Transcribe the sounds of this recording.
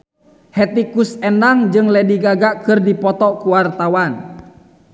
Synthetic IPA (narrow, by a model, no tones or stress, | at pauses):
hɛt̪ikusɛndaŋd͡ʒɨŋlɛdiɡaɡakɨrdipɔt̪ɔkuwart̪awan